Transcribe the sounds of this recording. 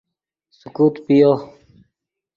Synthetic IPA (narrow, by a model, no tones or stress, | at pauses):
sukuːt̪pijo